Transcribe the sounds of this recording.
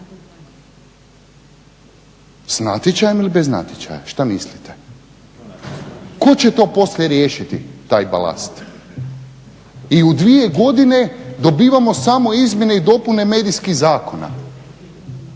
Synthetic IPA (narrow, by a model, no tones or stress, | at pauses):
snat̪jet͡ɕajemilibezna̰t̪ʲjet͡ɕa̰ja̰ʃt̪amislit̪e | ko̞t͡ɕe̞t̪o̞ːpo̞sljeɾje̞ːʃit̪it̪aːjba̰la̰st̪ | iud̪ʋije̞ɡo̞d̪ine̞d̪o̞biːʋamo̞samo̞izmʲje̞neid̪o̞pune̞me̞ːd̪iskiɣzaːko̞na̰